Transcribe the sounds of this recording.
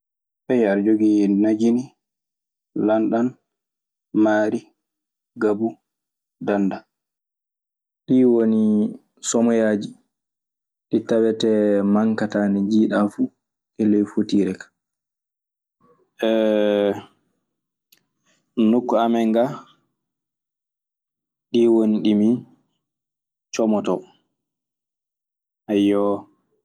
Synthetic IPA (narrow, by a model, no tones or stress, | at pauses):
ɓɛjaɾd͡ʒoɡijinnad͡ʒini | lanɗan | maːɾi | ɡabu | danda | ɗiwoni | sɔmɔjad͡ʒi | ɗitawɛtɛmaŋkataːnɛd͡ʒiːɗafu | ʔɛlɛjfotiːɾɛkḁ | ɛ | nukːɔamɛŋɡa | ɗiwoniɗimi | t͡ʃɔmɔtɔ | ajɔ